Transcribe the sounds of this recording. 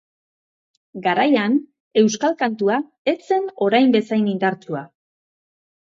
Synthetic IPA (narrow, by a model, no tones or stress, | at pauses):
ɡaɾajan | e̞wskalkant̪ua | e̞t͡se̞no̞ɾajmbe̞sajnind̪aɾt͡sua